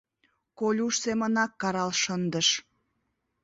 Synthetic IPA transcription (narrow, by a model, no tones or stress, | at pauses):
kolʲuʃsemənɑkːɑɾɑlʃənd̪əʃ